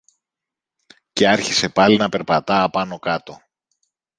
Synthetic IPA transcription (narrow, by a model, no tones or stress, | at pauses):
ce̞ɐɾçise̞pɐlinɐpe̞ɾpɐt̪ɐːpɐno̞kɐt̪o̞